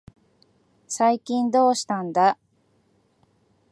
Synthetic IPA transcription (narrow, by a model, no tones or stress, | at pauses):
saikʲĩnd̪o̞ːɕi̥t̪ãnd̪a